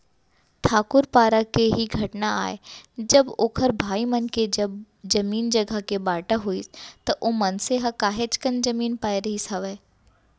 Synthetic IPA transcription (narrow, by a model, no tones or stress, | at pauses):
t̪ʰaːkʊɾpaːɾakeɦiɡʱɐʈnaa̰ːed͡ʒɐboːkʰəɾbʱaːimɐnked͡ʒɐb | d͡ʒɐmiːnd͡ʒɐɡʱəkebaːʈaɦoit̪ɐʔoːmɐnseɦakaːɦet͡ʃkənd͡ʒɐmiːnpaːeɾɐɦisɐʋɛː